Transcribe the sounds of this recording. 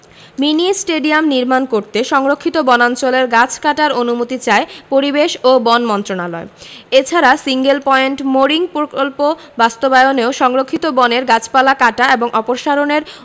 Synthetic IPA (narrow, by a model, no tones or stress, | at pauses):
minisʈeɖiamniɾmankoɾt̪eʃɔŋɾokʰːit̪obɔnant͡ɕoleɾɡat͡ɕʰkaʈaɾonumot̪it͡ɕaepoɾibeʃobɔnmɔnt̪ɾonalɔ̰eet͡ɕʰaɾasiŋɡelpɔeɳʈmoɾiŋpoɾkolpo | bast̪obajoneoʃɔŋɾokʰːit̪obɔneɾɡat͡ɕʰpalakaʈaeboŋʔɔpoɾʃaɾoneɾ